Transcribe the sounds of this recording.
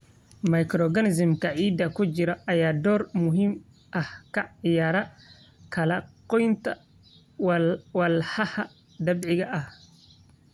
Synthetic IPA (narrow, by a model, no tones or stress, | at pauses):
mɐjkɾɔɡɐnɪs̬ɪmkʰɐʕiːd̪ɐkʰʊt͡ʃɪɾɐʔɐjaːd̪ɔːrmʊɦiːm | ʔɐhkʰɐɪjaːɾɐ | kʰɐlɐqɔjnt̪ʰɐ | wɐlħɐhɐ | d̪ɐbʕɪɣɐʔɐh